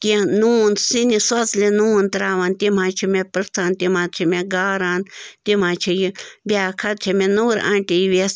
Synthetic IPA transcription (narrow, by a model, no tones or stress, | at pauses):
t̪iãnuːnsinisɐt͡slʲenuːnt̪ɾaːʋant̪imãːt͡ʃʰimepɾɨt̪ʰaːnt̪imãːt̪t͡ʃʰimẽɡaːɾaːnt̪imãːt͡ʃʰijibʲjaːkʰɐt̪̚t͡ʃʰimẽnuːɾã̰ːɳʈijiʋes